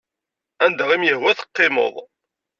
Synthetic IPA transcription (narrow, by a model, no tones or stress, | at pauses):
ænd̪æʁimjəhwæθə̥qːɪmo̰ðˤ